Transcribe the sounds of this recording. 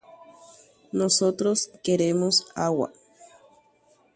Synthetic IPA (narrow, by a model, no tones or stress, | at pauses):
nosot̪ɾoskeɾemosawa̰